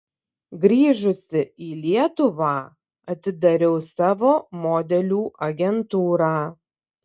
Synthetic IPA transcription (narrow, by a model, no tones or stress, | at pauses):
ɡɾʲiːʒʊsʲɪiːlʲiɛt̪ʊʋɑː | ɐt̪ʲɪd̪ɐɾʲɛʊsɑːʋoːmoːd̪ʲɛlʲuːʔɐɡʲɛnt̪uːɾaː